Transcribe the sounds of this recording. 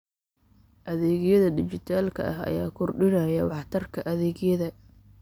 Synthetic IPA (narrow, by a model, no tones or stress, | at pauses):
ʔɐðɛːɣjɐðɐd̪ɪt͡ʃɪt̪ʰaːlkʰɐ̰ɐ̰ɦɐ̰jaːkʰʊrɖɪnɐjɐwɑħt̪ʰɐrkʰɐʔɐðɛːɣjɐðɐ